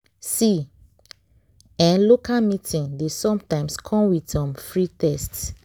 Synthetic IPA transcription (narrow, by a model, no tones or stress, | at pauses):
si | ɛ̃nlokamitʰĩŋdesɔ̃mtãɪ̃mskʰɔ̃mwidsɔ̃mfɹitɛsts